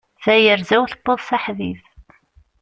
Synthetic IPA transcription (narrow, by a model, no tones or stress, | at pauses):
θæjəɾzæwθə̥bːəðˤsaħvḭv